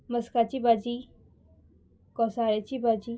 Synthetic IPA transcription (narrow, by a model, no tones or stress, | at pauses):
məskat͡ʃibaːd͡ʒi | kɔsaːɾet͡ʃibad͡ʒiː